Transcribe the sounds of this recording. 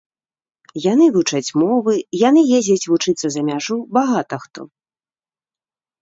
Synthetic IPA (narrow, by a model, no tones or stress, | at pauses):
janɨvut͡ʂɐt͡sʲmɔvɨjanɨjezʲɐt͡sʲvut͡ʂɨt̪sɐzɐmʲaʐubaɣat̪ɐxt̪ɔ̰